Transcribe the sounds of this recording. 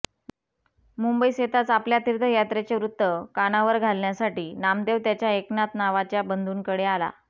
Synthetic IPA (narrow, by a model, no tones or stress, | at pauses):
mumbəiset̪at͡sapljat̪iɾd̪ʱəjat̪ɾet͡ɕeʋɾut̪ːəkaɽ̃aʋəɾɡʱalnjasaʈiːnamd̪eʋt̪jat͡ɕjaeknat̪naʋat͡ɕjabənd̪ʱuːnkəɽeala̰